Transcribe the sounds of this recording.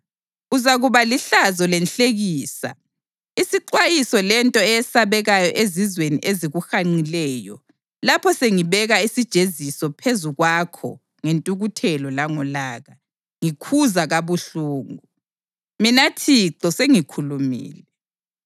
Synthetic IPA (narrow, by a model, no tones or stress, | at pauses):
uzaɣuβaliɬazɔlɛnɬeɣiːsa̰ | isiǃwajisɔlɛntʼɔɛɛsaβɛɣajɔʔezizwenḭʔeziɣuxaŋ͡ǀilɛːjɔ̰ | lapʰɔseŋiβɛɣaisid̥ʒ̥ʱezisɔpʰezuɣwakʰɔ̰ | ŋentʼuɣutʰɛlɔlaŋɔlaːɣa | ŋikʰuzaɣaβuɬuːŋu | minatʰiǀɔseŋikʰulumḭːlɛ